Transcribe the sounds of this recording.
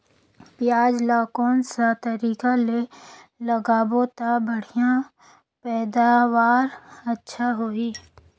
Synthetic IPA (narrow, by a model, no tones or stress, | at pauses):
pjaːd͡ʒlakɔːnsat̪əɾiːkaleləɡaːbot̪abəɽ̤ijã | pɛːd̪aːwaːɾətːʃʰaɦoːiː